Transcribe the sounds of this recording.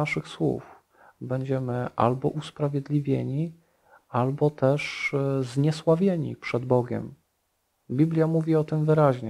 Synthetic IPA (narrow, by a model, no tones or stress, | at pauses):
aʂɘxswṵf | bɛɲd͡ʑɛmɘʔa̰lbɔ̰ʔuspɾavʲjɛd̪lʲivʲjḛɲi | albɔt̪ɛʂzɲɛswavʲjeɲḭpʂɛd̪bɔɡʲɛ̰m | bʲiblʲjamuvʲiɔt̪ɘmvɘɾaʑɲɛ